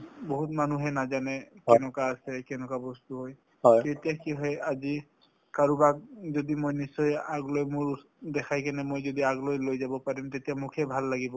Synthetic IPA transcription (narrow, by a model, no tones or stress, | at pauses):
boɦut̪̚manuɦɛnazanɛkɛnɔkaːsɛkɛnɔkabɔst̪uɦɔj | ɔjtetijakiɦɔjazi | kaɹubak̚zodimojnisɔjaɡlojmʊɹ | d̪ɛkʰajkɛnɛmojzodiaɡlojlojzabɔpaɹimt̪etijamʊkʰɛbʱalːaɡibɔ